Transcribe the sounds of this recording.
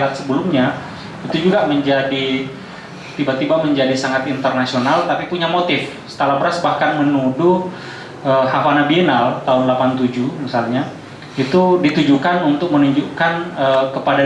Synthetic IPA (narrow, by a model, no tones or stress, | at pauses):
at̪̚səbəlʊmɲa | it̪ud͡ʒuɡaməɲd͡ʒadi | t̪ibat̪ibaməɲd͡ʒadisaŋat̪int̪ərnasionalt̪apipuɲamot̪ɪfsə̥t̪alabɾasbahkanmənudu | əhafanabienalt̪aʊnlapant̪ud͡ʒumisalɲa | it̪udit̪ud͡ʒukanunt̪ʊk̚mənuɲd͡ʒukanəkəpada